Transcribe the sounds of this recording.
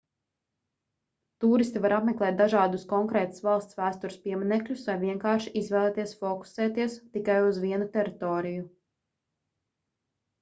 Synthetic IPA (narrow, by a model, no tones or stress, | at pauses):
t̪uːɾist̪ivaɾʔapmɛklˠɛːt̪̚d̪aʒɑːd̪uskɔŋkɾɛːt̪ḁsvɑlˠst̪svæːst̪uɾspiɛmɛnɛklʲusvajviɛŋkɑːɾʃiʔizvɛːlˠɛːt̪iɛsfɔku̥sɛːt̪iɛst̪ikajuzʋiɛnut̪ɛɾit̪ɔːɾiju